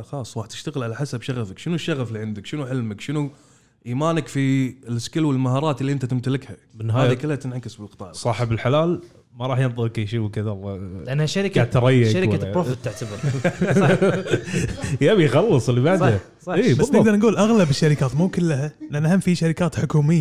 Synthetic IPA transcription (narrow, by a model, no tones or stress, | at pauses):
xɑːsˤɾˤɑːħdt̪ɪʃt̪aɣəlʕalaħasabʃaɣafakʃənuʃːaɣaflːiʕɪnd̪ɪkʃənuħɪlmakʃɪnu | ʔiːmaːnakfilʔɪskɪlwɪlmahɑːɾˤɑːt̪ɪlːiʔɪnt̪at̪ɪmt̪alɪkhamɪnːhaːðikɪlːhat̪ɪnʕakɪsbɪlqɨ̥t̪ˤɑːʕsˤɑːħɪbɪlħalaːl | maɾˤɑːħjɪnðˤɨɾkajʃiːwɪkɪðɑɾˤʔanːhaʃaɾɪkaʕt̪ɑɾˤɪjːaaɾɪaɾoːfɪt̪ːaʕt̪abɪɾˤ | jabijxɑlːɨsˤəlːibaʕd̪ha | sˤɑiːbasˤnɪɡd̪ɑɾˤnɡuːlʔaɣlabɪʃːaɾɪkaːt̪muːkɪlːɦananahamːfiʃaɾɪkaːt̪ħʊkuːmɪjːa